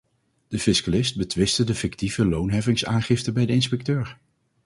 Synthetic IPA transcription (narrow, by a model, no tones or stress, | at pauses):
d̥əfɪskalɪst̚bətʋɪstədəfɪktivəlownɦɛvɪŋsaːnχɪftəbɛjdəɪnspɛk̚tøːɹ